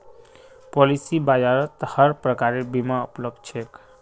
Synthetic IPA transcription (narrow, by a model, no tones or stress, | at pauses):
pɔlisibad͡ʒaɾət̪həɾpɾəkaɾebimaupləb̚d̪̚t͡ʃʰek